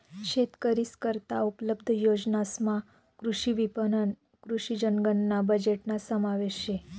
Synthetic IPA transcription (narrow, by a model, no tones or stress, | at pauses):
ʃet̪kəɾiskəɾt̪aupləbd̪ʱəjod͡ʒnasmã | kɾuʃiʋipənən | kɾuʃid͡ʒəŋɡənːabəd͡ʒeʈnasəmaʋeʃe